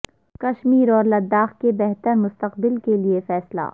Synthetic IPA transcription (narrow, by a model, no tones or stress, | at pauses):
kɐʃmiːɾɔːɾlɐd̪ːaːxkebɛɦt̪əɾmʊst̪əqbɪlkeliefɛːsla̰ː